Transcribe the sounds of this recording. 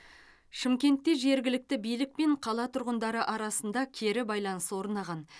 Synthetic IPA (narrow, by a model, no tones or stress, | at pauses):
ʃɪmkʲe̞nt̪ːe̞ʒe̞ɾɡʲɪlɪk̚t̪ɪbijlɪk̚pe̞ɴqʰɑlˠɑt̪ʰʊɾʁənd̪ɑɾəʔɑɾɑsənd̪ɑkʲʰe̞ɾɪbɑjlˠɑnəswo̞ɾnɑʁɑn